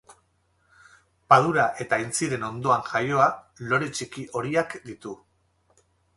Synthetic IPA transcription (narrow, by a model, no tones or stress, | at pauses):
pað̞uɾaʔe̞t̪aint͡siɾe̞no̞nd̪o̞aŋʝajo̞a | lo̞ɾet͡ʃikiʔo̞ɾiakd̪it̪u